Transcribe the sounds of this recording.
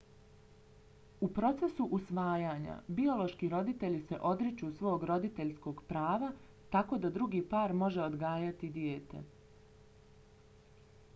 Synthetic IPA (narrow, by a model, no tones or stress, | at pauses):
upɾo̞t̪se̞suʔusʋaːjaːɲa̰bio̞lo̞ʃkiɾo̞d̪it̪e̞ʎise̞ʔo̞d̪ɾit͡ʃusʋo̞ːɡɾo̞d̪it̪e̞ʎsko̞ɡpɾaːʋa | t̪ako̞ːd̪ad̪ɾuɡiːpaːɾmo̞ʒe̞od̪ɡaːjat̪id̪jeːt̪e̞̰